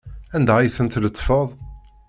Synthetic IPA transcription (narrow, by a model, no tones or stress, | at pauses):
ænd̪æjθənt̪lət̪ˤːfəðˤ